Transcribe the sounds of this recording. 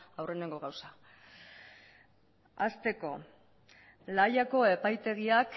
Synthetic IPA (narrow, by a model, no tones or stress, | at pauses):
awre̞ne̞ŋɡo̞ɣ̞awsa | ast̪e̞ko̞ | lajako̞e̞pajt̪e̞ɣiak